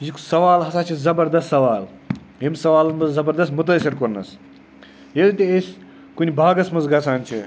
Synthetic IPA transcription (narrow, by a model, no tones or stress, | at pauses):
jiksɐʋaːlɦɐsaːt͡ʃʰizɐbɐɾd̪ɐst̪sɐʋaːl | ɦemsɐʋaːlɐnmɐzzɐbɐɾd̪ɐst̪mut̪ɐsʲiɾkoɾnɐ̰s | jelt̪ʲeesʲ | kunʲibʱaːɡɐsmɐzɡɐsʰaːnʲt͡ʃʰḭ